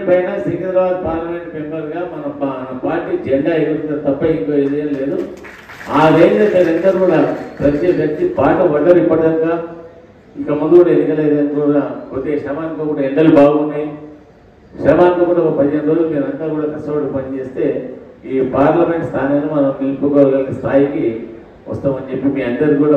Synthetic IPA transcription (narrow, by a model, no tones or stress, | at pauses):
pɐjnasiŋɡɐnd̪ɾɐʋaːd̪̚paːɾlɐme̞ɳʈ̚pempɐɾɡaːmɐnɐpaːɾʈiːd͡ʒeɳɖaːed̪ɐɾɐnt̪ɐt̪ɐpːɐiŋkoːed͡ʒɐjɐnle̞ːd̪u | aːd̪eːnkɐseɾɐnt̪ɐɾukuːɽaːpɾɐd̪t͡ʃed͡ʒɐt͡ʃːibaːʈɐʋɐd̪ɐɾipːɐɐŋkaː | ikːɐmund̪ukuːɽɐenikɐleːd̪ɐnt̪uɾakot̪eːʂɾɐmaːɐnt̪ɐkuːɽaeɳɖɐlubaːɡunːaji | ʃɾɐmaːnt̪ɐkuːɽɐkːpɐd̪d͡ʒɐnd̪ɐlomeːɾɐnt̪aːɾkuːɽakɐstɐʋɐʈupɐnt͡ʃe̞ːst̪e̞ːiːpaːɾlɐme̞ɳʈst̪ʰaːnaːnɐmɐnɐmnilpokːɐlɡɐlɐnɐst̪ʰaːjiki | ʋɐ̰st̪aːmɐnt͡ʃe̞pːimiːɐnd̪ɐɾikuːɽaː